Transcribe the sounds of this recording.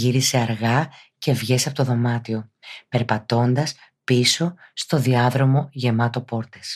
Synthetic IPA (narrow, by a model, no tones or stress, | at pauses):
iɾise̞ɐɾɣɐce̞vʝe̞sɐpo̞t̪oðo̞mɐt̪io̞pe̞ɾpɐt̪o̞nd̪ɐs | piso̞st̪o̞ðiɐðɾo̞mo̞ʝe̞mɐt̪o̞po̞ɾt̪e̞s